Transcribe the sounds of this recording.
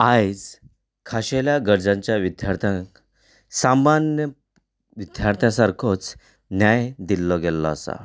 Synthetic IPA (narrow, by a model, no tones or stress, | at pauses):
ajd͡z | kʰaɕeljaɡəɾd͡zãɲt͡ɕjaʋid̪ʱjaɾt̪ʰjã | samanjə | ʋid̪ʱjaɾt̪ʰjãsaɾkʰot͡s | njajd̪ilːɔɡɛlːɔːsa̰